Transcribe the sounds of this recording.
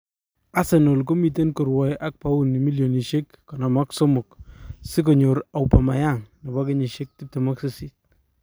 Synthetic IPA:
a˦sɛ˨no˨lko˦mi˨t̬e˦nko˨ɾwɔ˨jʔa˦k̚pa˦u˦nːi˨mi˦ljo˨ni˨ʃe˦kːɔ˨na˨ma˦kso˦mʊ˨ksɪ˦k̬o˨ɲo˨ɾa˨wpa˨ma˨ja˦˨ŋnɔ˨ba˦kɪ˦ɲi˨ʃe˦k̚tɪ˦p̚te˨mɔ˦kse˦si˦t̚

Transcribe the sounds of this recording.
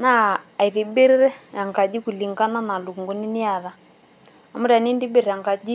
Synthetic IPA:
naː˦˨i˨ɾi˨be˦ɾɛ˦ɾɛ˦ja˨ŋɡa˨d͡ʒi˦ku˨li˨ŋɡa˦na˦na˨lu˨ŋɡu˦ni˦ni˦a˨ða˨ | a˨mu˦ɾi˨a˨ni˦ndi˦be˦ɾɛ˨a˨ŋɡa˨d͡ʒi˦

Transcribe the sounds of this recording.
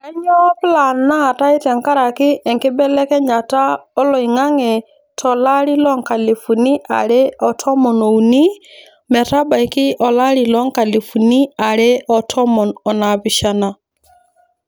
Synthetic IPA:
a˦ɲɔ˦pla˨na˦˨ta˦ɪ˦tɛ˨ŋka˦ɾa˨kɪ˦ʔɛ˨ŋkɪ˦bɛ˦lɛ˦kɛ˦ɲa˨ta˦ɔ˦lɔ˨i˨ŋa˦ŋɛ˨ | tʰɔ˨la˦ɾi˦lɔ˦ŋka˨le˨fu˨ni˦ʔa̰˨ɾɛ˦ɔ˨tʰɔ˦mɔ˨nɔ˨u˨ni˦ | mɛ˨ta˦ba˨i˨kɪ˦ʔɔ˨la˦ɾi˨lɔ˦ŋka˨li˨fu˨ni˦a˨ɾɛ˦ɔ˨tʰɔ˦mɔ˨nɔ˨na˨pɪ˨ʃa˨na˨

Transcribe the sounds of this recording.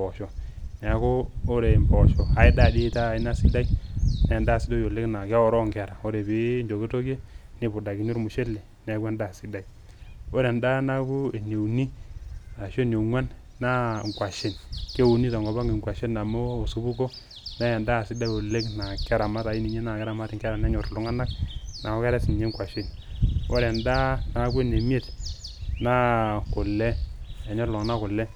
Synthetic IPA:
bo˨ʃo˨na˨˦ko˦o˦ɾe˨mbo˨ʃo˨ha˦i˦da˦˨di˦ta˦˨i˦na˦˨si˦da˦i˦na˨ja˨nda˦˨si˦do˦jo˨le˦kna˨ke˦o˦ɾo˦ŋke˨ɾa˨o˦ɾe˨bi˦nd͡ʒo˨ke˦to˦ke˦ni˦bu˨da˨ki˨nu˦ɾmu˨ʃe˦lːe˨ | ne˨˦ɡu˦e˦nda˦˨si˦da˦˨i˨ | o˦ɾe˨nda˦na˦ku˦e˨ne˨wni˦a˨ʃo˦˨n˨e˨ŋwa˦nː | a˦˨ŋ˨kwa˨ʃe˨nke˦wu˨ni˦tɔ˨ŋɡɔ˨ba˦ŋe˨ŋkwa˨ʃe˦nːa˨mo˦o˨su˨˦bu˦ko˦ | na˦ja˨nda˦˨si˦da˦jo˨le˦kna˨kɛ˦ɾa˨ma˦ta˨i˦ni˨ɲe˦na˨kɛ˦ɾa˨ma˦ti˨ŋkɛ˦ɾa˨nɛ˦ɲo˨ɾlʊ˦ŋa˦na˦k̚na˨ɔ˦kɛ˦ɾɛ˦si˨n˨ɲe˦ŋkʷwa˨ʃi˨n | o˦ɾɛ˨nda˦na˨˦ku˦e˨ne˨mi˦e˦˨t | na˦kʊ˨lːɛ˦ɛ˨ɲo˦ɾlɔ˨ŋ˨na˦kʊ˨lɛ˦

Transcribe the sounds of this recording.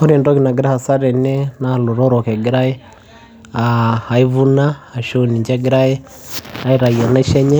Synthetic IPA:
o˦ɾi˨ndo˦ki˨na˨ɡi˦ɾa˦ha˨sa˦ɾɛ˨nɛ˦na˨lo˨ɾo˦ɾo˨kɛ˨ɡi˦ɾa˦ɛ˦ | aha˨i˦βu˦naː˦˨ʃo˦ni˨ɲd͡ʒɛ˦ɡi˦ɾa˦jɛ˦ | a˦i˦ɾa˨jɔ˨na˦ʃɛ˦ɲɛ˦

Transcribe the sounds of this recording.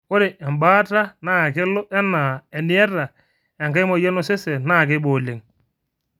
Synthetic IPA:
ʊ˦ɾe˨ʔɛ˨mba˦ta˦na˦˨kɪ˦lo˦ʔɛ˦na˨ɛ˨nɪ˦ɛ˦ra˨ | ɛ˨ŋka˦jmɔ˨jɛ˦no˦˨se˦sɛ˨na˦˨k̬e˦boː˨le˨ŋ

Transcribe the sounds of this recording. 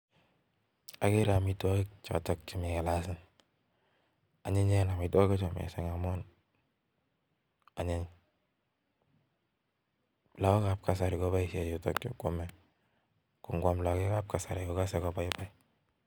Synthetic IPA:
a˨ke˦ɾa˨mi˨ta˦kt͡ʃa̰˨tɔ˨kt͡ʃi˨mi˨ka˨la˦sɪ˦n | a˨ɲe˦ɲɛ˦na˨mi˨ta˦ka˦t͡ʃɔ˨mɛ̰˨sɛ˨ŋa˨mɔ˦n | a˨ɲe˦ɲ | la˨˦kɔ˦ka˨p̚ka˨s̬a˨ɾi˨kɔ˦pa˦isɛ˨jo˨tɔ˨kt͡ʃo̰˨ko˦mɛ˨ | ku˨ŋɡwa˨mla˨ke˦ka˦p̚ka˨sa˨ɾi˨kɔ˨ka˦sɛ˨kɔ˦pa˦ipa˦i˦

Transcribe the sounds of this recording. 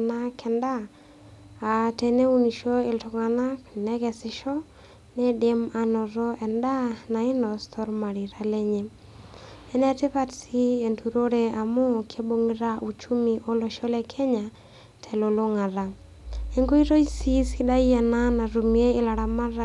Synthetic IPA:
na˦kɛ˨nda˦ | a˨tɛ˨ne˦u˦ni˨ʃo˦ɪ˨ltɔ˨ŋa˨na˦knɛ˦kɛ˨sɪ˨ʃɔ˦ | nɛ˦de˦ma˨nɔ˨ɾɔ˦ʔɛ˨nda˦na˨ɪ˦nɔ˨stʰɔ˦ɾma˨ɾi˨ɾa˦lɛ˦ɲe˨ | ɛ˦nɛ˦tɪ˦pa˦tsi˦e˨ntu˨ɾo˦ɾea˨mʊ˦kʰe˦bo˦ŋiɾa˦ʔu˨t͡ʃu˦mi˨ʔo˦lo˨ʃɔ˦lɛ˦kʰɛ˦ɲa˨ | tʰɛ˨lo˨lo˦ŋa˨ɾa˨ | e˦ŋɡo˦i˦ɾo˦isi˦si˦da˦iɛ˨na˦na˨ɾu˨mie˦ɪ˦la˨ɾa˨ma˦ɾa˦

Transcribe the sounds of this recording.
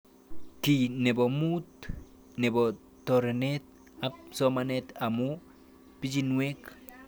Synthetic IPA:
kine˨bo˨mu˦t̪ | ne˨bo˨ | tɔɾe˨net̪̚ | a˦psɔ˦manet̪a˨mu | pi˦d͡ʒinwe˦k

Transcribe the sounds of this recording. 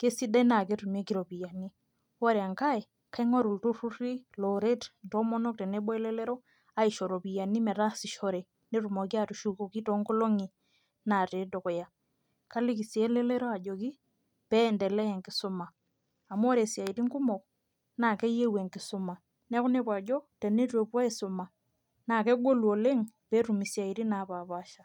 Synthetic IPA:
ke˦si˦da˦na˨ke˦tu˨me˦ki˦ɾo˨pi˨ja˨ni˦ | wɔ˦ɾɛ˨a˨ŋka˦i˨ | ka˦i˦ŋo˦ɾu˨ltu˦ɾu˦ɾi˦lo˨ɾe˦tnto˦mɔ˦nɔ˦k̚tɛ˨ne˦ɓɔ˦ɛ˦lɛ˦lɛ˦ɾɔ˦ | a˨i˨ʃɔ˨ɾo˨pi˨ja˨ni˦mɛ˨ɾa˦si˨ʃɔ˦ɾe˨ | ne˦ɾu˨mo˨k̬i˦a˨tu˨ʃu˨ko˨ki˦tɔ˦ŋko˦lo˦ŋi˨ | na˨te˨do˨kɔ˨ja˨ | ka˦li˦ki˨si˨e˦lɛ˦lɛ˦ɾo˦a˨d͡ʒo˨ki˦ | pɛ˦ndɛ˨lɛ˦ɛ˨ŋkɪ˨sʊ˦ma˨ | a˨m˦ɔ˦ɾe˨sja˨i˨ti˦ŋku˦mɔ˨k | na˨kɛ˦je˦we˨ŋkɪ˨sʊ˦ma˨ | nɛ˦kʊ˦ne˦pwa˨d͡ʒɔ˦tɛ˨ne˦twe˨pa˦i˦sʊ˨ma˨ | na˨kɛ˦ɡo˦lu˨o˨le˦ŋpɛ˦ɾu˨mi˨sja˨i˨ɾi˦na˨pa˨pa˦ʃa˨

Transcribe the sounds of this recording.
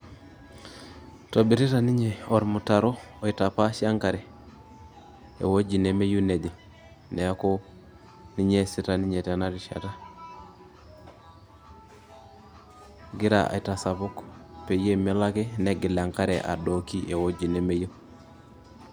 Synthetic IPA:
to˨bi˨ɾi˦ta˨ni˦ɲe˨o˨ɾmu˨ta˨ɾo˦o˨i˨ta˨pa˦ʃja˦ŋka˨ɾɛ˨ | ḛ˨wo˦d͡ʒi˨ne˨me˦ju˦ne˨di˨ | nɛ˨a˦ko˦ | ni˦ɲe˦si˦ta˨ni˦ɲe˨te˨na˦ɾi˨ʃa̰˨ta˦ | ɡi˦ɾa̰˨a̰˨i˨ta˨sa˨pu˦kpe˨je˦me˨˦la˦ke˦ne˦ɡi˨la˨ŋka˦ɾɛ̰˨ʔa̰˨do˨ki˦ʔe˨wo˦d͡ʒi˨ne˨me˦jo˦

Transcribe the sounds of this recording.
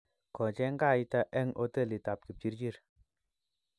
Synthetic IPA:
kɔ˨t͡ʃɛ˦ŋɡa˦˨ji˦ta˦ʔɛ˦ŋʔo˦te˦˨li˨ta˨p̚ki˨p̚t͡ʃi˦ɾt͡ʃi˦ɾ

